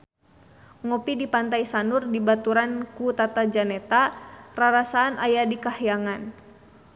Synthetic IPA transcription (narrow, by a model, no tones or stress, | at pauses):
ŋɔpidipant̪ajsanurdibat̪uɾankut̪at̪ad͡ʒanɛt̪araɾasaːnajadikahijaŋan